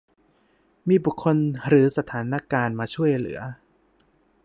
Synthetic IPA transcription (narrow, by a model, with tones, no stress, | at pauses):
miː˧bu˨˩kʰːo˧nɾɯː˩˦sa˧t̪ʰaː˩˦nːaː˧kaː˧nmaː˧t͡ɕʰu˥˩əjlɯ̰˨˩˦ɐ